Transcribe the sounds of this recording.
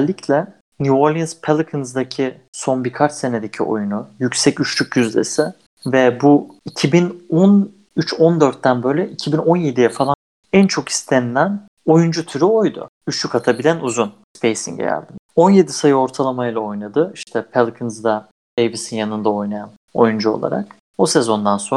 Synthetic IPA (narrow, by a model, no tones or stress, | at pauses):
lʲːicʰlʲɛ | nuoɾlʲˠinspʰelˠkʰɯnzd̪acʰi | so̞nbikʰat͡ʃse̞ned̪ecʰio̰junujycsɛcyt͡ʃlʲycjyzlʲḛsɪ | vɛbuicʰibinon | yt͡ʃʰo̞nd̪ø̞ɾt̪ːænbøjlʲɛʔicʰibino̞nje̞d̪ijɛfalˠan | ænt͡ʃʰo̞ki̥st̪ʰed̪æn | o̞jund͡ʒut̪ʰyɾyo̞jd̪ʊ̰yt͡ʃlʲykat̪ʰabilʲænuzunspʰejsḭŋɟɛ̰jæ̰lʲd̪ino̞nje̞d̪isajɯo̞ɾt̪ʰalˠamajɯlˠao̞jnad̪ɯiʃt̪ʰɛpʰɛlˠkʰɯnzd̪a | dejbisinjanɯnd̪ao̞jnajan | o̞̰jund͡ʒuo̞̰lˠa̰ɾa̰k̚ | bose̞zo̞nd̪anso̞